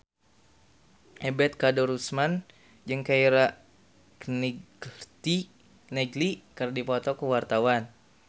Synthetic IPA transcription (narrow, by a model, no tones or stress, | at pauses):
ʔɛbɛt̪̚kadɔɾusman | d͡ʒɨŋkaiɾa | kn | t̪i | nɛɡlikərdipɔt̪ɔkuwart̪awan